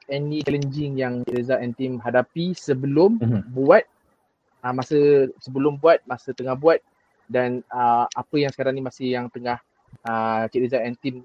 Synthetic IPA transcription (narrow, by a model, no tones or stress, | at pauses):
ɛnĩt͡ʃɛlənd͡ʒɪŋjaŋt͡ʃiʔɾəzaɛnt̪imɦadapisəbəlʊmbuat̪̚ | əmasəsəbəlʊmbuat̪̚masət̪əŋahbuat̪̚ | danəapəjaŋsə̥kaɾaŋnimasɪhjaŋt̪əŋah | ət͡ʃiɾizaɛnt̪im